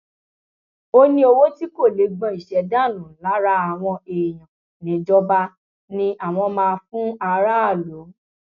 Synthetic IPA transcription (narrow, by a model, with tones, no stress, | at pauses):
o˦nĩ˦o˧wo˦ti˦ko˦˨le˨˦ɡ͡bɔ̃˧˦i˨ʃɛ˧˦da˦˨nũ˨la˨˦ɾa˦a˨w̃ɔ̃˧e˨j̃ã˨ | nĩ˨˦d͡ʒɔ˦ba˧ | nĩ˧ʔa˨w̃ɔ̃˧mãː˧fũ˦a˧ɾa˦a˦˨lo˨˦